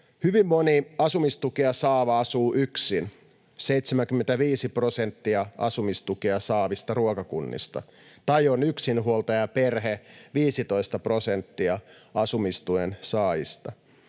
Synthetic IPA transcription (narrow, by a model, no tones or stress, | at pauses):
hyʋimːo̞niɑsumist̪ukiɑsɑːʋɑɑsuːʔyksin | seit̪semæŋkymːent̪æʋiːsipro̞sent̪ːiɑɑ̰sumist̪ukiɑsɑːʋist̪ɑruokɑkunːḭst̪ɑ̰ | t̪ɑjonyksinɦuolt̪ɑjɑperɦeʋiːsit̪o̞ist̪ɑpro̞sent̪ːiɑɑsumist̪uensɑːjḭst̪ɑ